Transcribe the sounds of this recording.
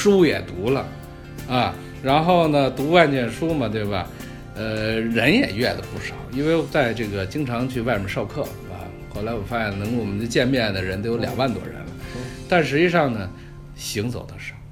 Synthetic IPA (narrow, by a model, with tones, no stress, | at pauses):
ʂu˥jɛ˨˩t̪u˧˥lə̰˧ | ɐ˧˩ | ɻa˧˥nxo˥˩ʊnə˩t̪u˧˥wa˥˧nt͡ɕjɛ˥˩nʂu˥mɐ˨t̪̬we˥˩ɪbɐ̰˩ | ə˧ɻə˧˥njɛ˨˩ɥɛ˥˩d̪ə˩pu˥˩ʂɑ˨˩˦ʊi˥nwe˥˧ɪwt͡sa˥˧ɪʈ͡ʂɤ˥˩ɡə˩t͡ɕi˥ŋʈ͡ʂʰɑ˧˥ŋt͡ɕʰy˥˧wa˥˩ɪʂə˧˥ʂɑ˥˧ʊkʰɤ˥˩ | ɐ̰˧˩ | xo˥˩ʊla˧˥ɪwɔ˨˩fa˥ɕɛ˨˩nnɤ˧˥ŋ˥wɔ˨˩mə˦nd̪ə˧t͡ɕjɛ˥˧nmjɛ˥˩nd̪ə˩ɻə˧˥nt̪o˧˥ʊjo˧˥ljɑ̰˨˩ŋwa˥˩nt̪wɔ̰˥ɻə̰˧˥nlə̰˧t̪a˥˩nʂ̬ɻ̩˧˥t͡ɕi˥˧ʂɑ˥˩ŋnə˩ | ɕi˧˥ŋt͡so˨˩ʊd̪ə˦ʂɑ˥˩